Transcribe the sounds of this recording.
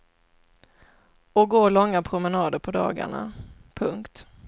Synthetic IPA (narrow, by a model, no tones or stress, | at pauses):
ɔɡoːlɔŋːapʰɾʊmɛnɑːd̪əɾpʰɔd̪ɑ̰ːɡa̰ɳa̰ | pʰɵŋkt̪